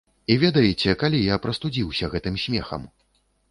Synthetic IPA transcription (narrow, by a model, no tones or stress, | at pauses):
ivʲɛd̪ɐjɛt͡sʲɛkalʲijapɾɐst̪ud͡zʲiwsʲɐɣɛt̪ɨmsʲmʲɛxɐ̰m